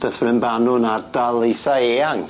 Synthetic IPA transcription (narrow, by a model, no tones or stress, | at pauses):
d̥əfrɪmbanʊnardalˠejθaeːaŋ